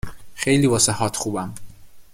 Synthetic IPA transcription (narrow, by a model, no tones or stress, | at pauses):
xejliːvɒːsehɒːt̪ʰxuːbæm